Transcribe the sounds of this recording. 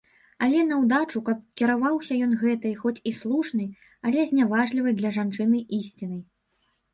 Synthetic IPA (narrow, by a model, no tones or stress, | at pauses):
ɐlʲɛnɐwd̪at͡ʂukɐp̚kʲiɾavawsʲɐjɔnɣɛt̪ɨjxɔt͡sʲislˠuʂnɨj | ɐlʲɛzʲnʲavaʐlʲivɨjd̪lʲɐʐant͡ʂɨnɨʔisʲt͡sʲinɨj